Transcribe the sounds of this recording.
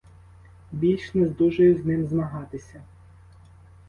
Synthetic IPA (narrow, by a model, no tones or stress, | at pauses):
bʲilʲt͡ʃnɛzd̪uʒɐjʊznɪmzmɐɦɑt̪ɪsʲɐ